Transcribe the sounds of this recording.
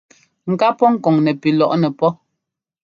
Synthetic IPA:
ŋ̩˨ka˦pɔ˦ŋ̩˦˨kɔ˨ŋnɛ˨pi˨lɔ˨ʔnɛ˨pɔ˦

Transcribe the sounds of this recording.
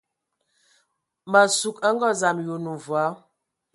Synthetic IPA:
ma˨su˨ka˦ŋɡɔ˦za˨mju˨nu˨va˨˦

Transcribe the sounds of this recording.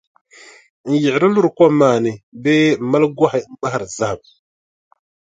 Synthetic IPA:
n̩˨jɪ˨ɾɪ˦lu˦ɾkwa˦maː˨nɪ˨bɛ˦˨ma˦lɡa˦ha˨˦m̩˦ba˦ha˦˨ɾza˦˨b̚

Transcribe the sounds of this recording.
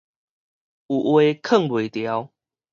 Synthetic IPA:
u˨ʔwe˦kʰə˥˨ŋwwe˨˩t̪ja˦w

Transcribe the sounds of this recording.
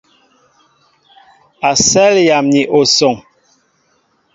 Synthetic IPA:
a˨sɛ˦lja˨mɲi˨ʔo˨sɔ˨ŋ

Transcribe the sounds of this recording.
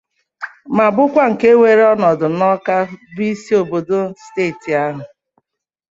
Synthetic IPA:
ma˨bʊ˦kʷa˦ŋ̩˨ke˦wʷe˨ɾe˦ɔ˦nɔ˨dʊ˨nɔ˦ka˦bi˦i˦si˦o˨bo˨do˦steː˦˨ti˨a˦ɦʊ˨

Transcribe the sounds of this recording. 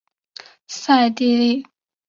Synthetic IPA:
sa˥˨ja˨t̪e˩˨re˩˨ʔ

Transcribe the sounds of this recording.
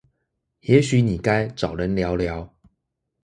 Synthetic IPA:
jɛ˨˦ɕy˨˦ni˨˩ka˦ɪʈ͡ʂɑ˨˩ʊlə˨˦nljɑ˨˧˥ʊljɑ˨˦ʊ

